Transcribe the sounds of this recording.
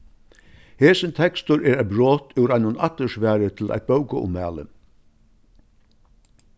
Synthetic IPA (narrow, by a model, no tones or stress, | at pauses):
heːsɪnt̪ʰɛkst̪ʊɾɛːɾæɪt̪̚bɾoːt̪ʰʉwɾaɪnʊnat̪ːəʂʋæːɹət̪ʰɪlæ̰jt̪̚bœwkəʊ̰mːæ̰ːlə̰